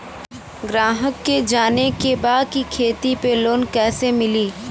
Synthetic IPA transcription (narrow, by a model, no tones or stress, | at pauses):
ɡɾaːɦəkːed͡ʒaːnekebaːd̪̚kikʰeːt̪ipeloːnkɛːsemɪliː